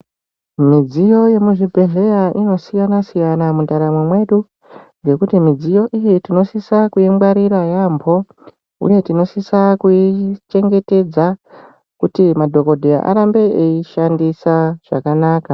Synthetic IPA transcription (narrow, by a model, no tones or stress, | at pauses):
mid͡zijo̞je̞muʐibʱe̞ɮe̞jaʔino̞sijanasijanamundaɾamwemwe̞ɗu | ŋɡe̞kutimid͡zijo̞ʔijitino̞sisakuimɡaɾiɾajambʱo̞ | ṵje̞tino̞sisakuit͡ʃe̞ŋɡe̞te̞d͡za | kutimadʱo̞ko̞dʱeja̰ʔa̰ɾambe̞eiʃandisaʐ̥a̰kanaːka